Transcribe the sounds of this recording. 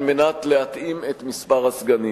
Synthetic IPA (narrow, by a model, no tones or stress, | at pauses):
lme̞nat̪le̞hat̪ʔimet̪mispaʁasɡani